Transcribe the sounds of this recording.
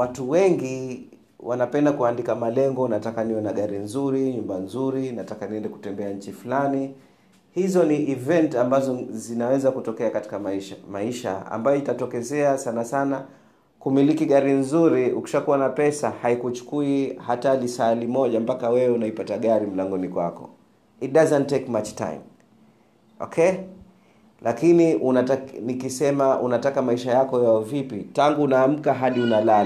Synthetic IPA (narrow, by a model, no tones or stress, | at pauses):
watuwɛŋɡi | wʔanapɛndakuandikamalɛŋɡɔnatakanijɔnaɠaɾinzuɾiɲumbanzuɾinatakaniɛndɛku̥tɛmbɛaɲ̩t͡ʃifulani | hizɔniːvɛntambazɔzinawɛzakutɔkɛakati̥kaʃmaiʃa̰a̰mbajɔitatɔkɛzɛasanasana | kumilikiɠaɾinzuɾiuki̥ʃakuwanapɛsahaikut͡ʃu̥kuihatalisalimɔʄampakawɛwɛunaipataɠaɾim̩laŋɡɔnikwa̰kɔ̰ | it̚dazɛntːekmat͡ʃta̰jm | ɔ̰kʰɛ | lakiniʔunaanikisɛmaʔunatakamaiʃajakɔjaɔvipitaŋɡuːnaːm̩kaɦaɗiunala